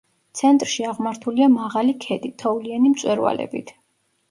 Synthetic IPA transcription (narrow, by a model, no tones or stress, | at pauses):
t̪sʰɛnt̪ʼɾʃiaʁmaɾt̪ʰuliamaʁalikʰɛt̪ʼit̪ʰɔulianimt̪sʼwɛɾva̰lɛ̰bḭt̪ʰ